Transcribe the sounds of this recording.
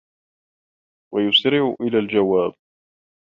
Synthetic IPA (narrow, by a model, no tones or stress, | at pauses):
wajʊsɾɪʕʊʔɪlaːld͡ʒawaːb̚